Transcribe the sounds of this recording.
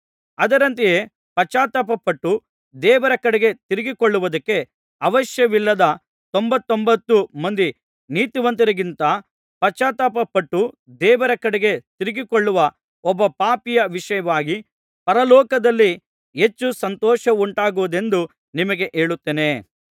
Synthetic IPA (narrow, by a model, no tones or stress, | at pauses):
ɐd̪ɐɾɐnt̪ijeː | pɐt͡ʃaːt̪ɐpɐpɐʈːu | d̪ɛːʋɐɾɐkɐɽɛɡe̞t̪iɾɪɡikoɭːuʋud̪ɐkːe̞ | ɐʋɐʃjɐʋilːɐd̪ɐ | t̪ombɐt̪ːombɐt̪ːumɐnd̪i | niːt̪uʋɐnt̪iɾɐɡint̪ɐ | pɐt͡ʃaːt̪ɐpɐpːɐʈːu | d̪ɛːʋɐɾɐkɐɽɛɡe̞t̪iɾiɡikoɭːuʋɐ | ɔbːɐpaːpijɐʋiʂɐjɐʋaːɡi | pɐɾɐlɔːkɐd̪ɐlːi | ɦe̞t͡ʃːusɐnt̪ɔːʃɐuɳʈaːɡuʋud̪e̞nd̪u | nimɐɡe̞ʔeːɭut̪ːeːne̞